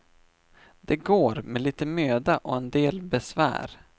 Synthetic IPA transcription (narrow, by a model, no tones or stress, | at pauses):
d̪ɛɡoːɾmɛliːt̪əmøːd̪aʔɔɛnd̪eːlbɛsvæ̰ːɾ